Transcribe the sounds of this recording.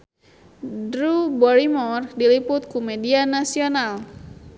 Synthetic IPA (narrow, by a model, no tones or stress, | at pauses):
dɾubɔɾimɔrdilipʊt̪̚kumedianasional